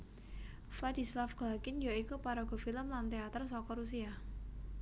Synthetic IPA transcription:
flad̪i̤slafɡ̥lakɪnjaikupaɾɔɡ̥ɔ̤filəmlant̪eat̪ərsɔkɔɾusia

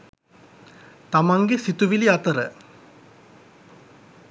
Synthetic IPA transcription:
t̪amaŋɡesit̪uʋiliat̪əɾə

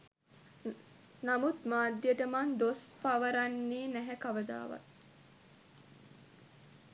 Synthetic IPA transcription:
namut̪maːd̪ːjəʈəmand̪ospaʋəɾanːiːnæɦækaʋəd̪a̰ːʋa̰t̪

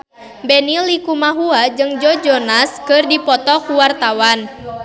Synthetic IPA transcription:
bɛnilikumaɦuad͡ʒɨŋd͡ʒɔd͡ʒɔnaskɨrdipɔt̪ɔkuwart̪awan

